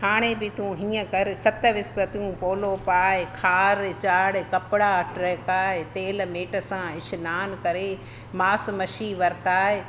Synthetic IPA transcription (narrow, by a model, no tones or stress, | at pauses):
haːɽ̃ed̪it̪ʰũɦĩːə̃kɐɾɪsɐt̪əʋɪspɾɐt̪ijũpoːlopaːɦɪkʰaːɾt͡ɕaːɽkɐpɪɽaɐʈʰɾɐkaːɦet̪eːlmeːʈə̆sãɪʃnaːnkɐɾe | maːsmɐʃiʋɐɾɪt̪aːɦe